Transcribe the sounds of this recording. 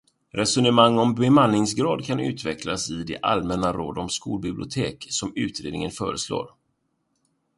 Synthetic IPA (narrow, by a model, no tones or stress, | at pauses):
ɾʔɛsɵnəmaŋːɔmbɛmanlɪŋsɡɾɑːd̪kʰanʉ̟̰ːt̪ʰvɛklasɪd̪ɛʔa̰lmɛnaɾo̰ːd̪ɔmskuːlbɪblɪʊt̪ʰeːksɔmʉ̟ːt̪ɾeːd̪nɪŋənfœːɾəslo̰ːɾ